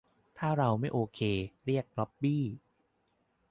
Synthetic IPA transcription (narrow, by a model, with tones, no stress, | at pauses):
t̪ʰaː˥˩ɾa˧wma˥˩jʔoː˧kʰeː˧ɾi˥˩ək̚ɾɔ˦˥p̚biː˥˩